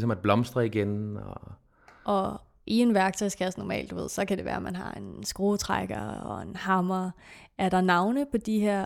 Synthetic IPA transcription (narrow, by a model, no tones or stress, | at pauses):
sɒmæd̥̚b̥lɒ̽msd̥ʁɐiɡ̥enɒ | ʔɒ̽ | ʔie̝nʋæɐɡ̥̚t͡sʰɒ̽ɪsɡ̥æɒsnɒmɛ̰ːld̥uʋe̝ð̰ˠsɒ̽kʰæd̥e̝ʋæ̰ːɐmænɦɑ̈e̝nsɡ̥ʁo̝ːt͡sʰʁaɡ̥ɐɒ̰e̝nhɑ̈mɐæɐɾ̥ɑ̈nɑ̈ʊnəpʰɒ̽d̥iɦeɐ̰